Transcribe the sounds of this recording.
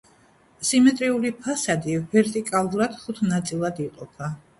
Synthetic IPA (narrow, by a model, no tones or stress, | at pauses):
simɛt̪ʼɾiulipʰasad̪ivɛɾt̪ʼikʼalˠuɾad̪̥χut̪ʰnat̪sʼilˠad̪iqʼɔpʰa